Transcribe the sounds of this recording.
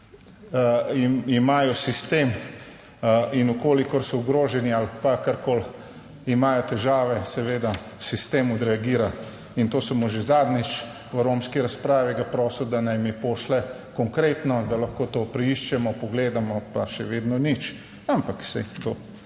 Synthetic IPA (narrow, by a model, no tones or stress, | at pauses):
imimaːjɔsist̪em | inukoːlikɔɾsɔuɡɾoːʒɛnialpakaɾkoːl | imaːjɔt̪ɛʒaːʋɛsɛʋeːd̪a | sist̪eːmɔd̪ɾɛaɡiːɾa | int̪oːsɐmuʒezaːd̪nit͡ʃ | ʋəɾomskiɾaspɾaːʋiɡapɾɔːsɔd̪anajmipoːʃlɛ | kɔŋkɾeːt̪nɔd̪alɐxkoːt̪oːpɾɛiʃt͡ʃɛmɔpɔɡleːd̪amɔpaʃɛʋeːd̪nɔnit͡ʃ | ampaksɛt̪oː